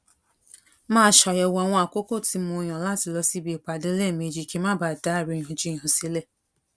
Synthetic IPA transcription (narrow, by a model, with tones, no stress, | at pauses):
maː˦ʃɔ˨jɛ˨wa˨ŋʷɔ˦a˨kʷo˦ko˦˨ti˨˦m˦ʊ˦ɲɔ˨la˦˨tɪ˨lɔ˦si˦bi˨k͡pʷa˨de˦le˦˨me˨d͡ʒi˨ke˦ma˦ba˨da˦˨ɾi˦ɲo˨d͡ʒi˦˨ɦʊ˨si˦le˦˨